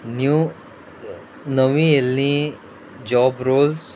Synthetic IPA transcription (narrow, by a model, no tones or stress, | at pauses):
nju | nəʋĩelni | d͡ʒɔːbɾoːls